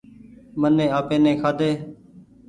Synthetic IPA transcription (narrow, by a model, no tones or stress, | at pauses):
mənẽːaːpẽːnẽːkʰaːd̪eː